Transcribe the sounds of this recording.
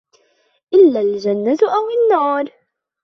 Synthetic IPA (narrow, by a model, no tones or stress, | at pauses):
ʔɪlːaːld͡ʒanːat̪ʔawɪnːaːɾˤ